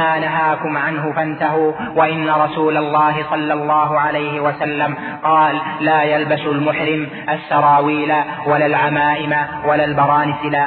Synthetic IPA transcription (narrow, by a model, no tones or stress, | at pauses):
aːnaɦaːkʊmʕanɦʊfant̪aɦʊː | waʔɪnːaɾˤɑsuːlalˤːɑːɦɪsˤɑlːɑlˤːɑːɦʊʕalajhɪwasalːam | qɑːlːaːjalbasʊlmʊħɾɪm | ʔasːɑɾˤɑːwiːlawalaːlʕamaːʔɪmawalaːlbɑɾˤɑːnɪsɪlaː